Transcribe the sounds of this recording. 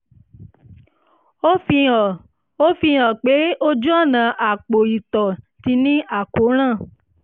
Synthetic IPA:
o˦fi˧˨ | o˦fi˧ɔ˨k͡pe˨˦o˦d͡ʒu˦ɔ˦˨nã˨ʔa˨k͡po˨i˨t̪ɔ˨ | ti˧nĩ˦ʔa˨ko˨˦ɾ̃ã˦˨

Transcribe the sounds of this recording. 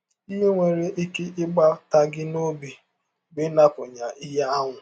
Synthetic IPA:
i˦ɦe˦ŋʷe˨ɾe˦ʔi˦ke˦ʔɪ˦ɡ͡ba˦ta˦ɡɪ˦no˦bi˨ | bɪ˦na˦pʊ˨ɲa˨ɪ˦ɦa˦a˦ŋʷʊ˨

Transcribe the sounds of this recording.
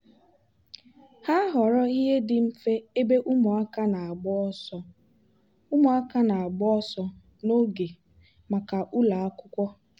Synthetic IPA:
ha˦ɦɔ˨ɾɔ˦i˦ɦe˦dɪ˨m̩˦fe˦e˦be˦ʔu˦mɔ˨a˦ka˦na˨a˨ɡ͡bɔ˦ɔ˦sɔ˦ | u˦mɔ˨a˦ka˦na˨a˨ɡ͡bɔ˦ɔ˦sɔ˦ | no˦ɡe˨ | ma˨ka˨ʔu˦la˨a˦kʷʊ˦kʷɔ˦

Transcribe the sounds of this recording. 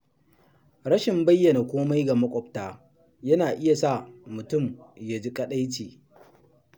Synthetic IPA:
ɽɐ˦ʃɪ˨mbɐ˦jːɐ˨na˨kʷoː˦ma˦jɡa˨mɐ˦kʷʼɔ˨p̚taː˦ | jɐ˦naː˨ʔɪ˦ja˨sa˦˨mʊ˨tʊ˦˨mja˨d͡ʒi˦kʼɐ˦ɗa˦jt͡ʃeː˨

